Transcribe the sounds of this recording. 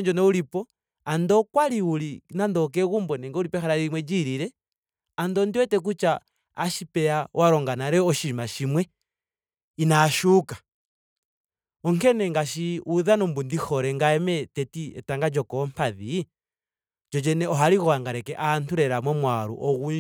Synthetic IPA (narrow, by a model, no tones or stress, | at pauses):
ɲd͡ʒɔnɛuɾipɔ | andɔkwaliulinandɔk̬ɛɣumbɔnɛŋɡɛuɾipɔxaɾaɾiimwɛd͡ʒiɾiɾɛ | andɔndiwɛtɛk̬ut͡ʃa | aʃipɛawaɾɔŋɡanaɾɛɔʃimaʃimwɛ | inaʃukḁ | ɔŋkɛnɛŋɡaʃiʔuðanɔmbundixɔɾɛŋɡaɛmɛtɛtiɛ̰taŋɡad͡ʒɔkɔmpaði | d͡ʒɔd͡ʒɛnɛɔɦaɾiɣɔaŋɡaɾɛkɛʔantuɾɛɾamwɛmwaɾṵʔɔɣu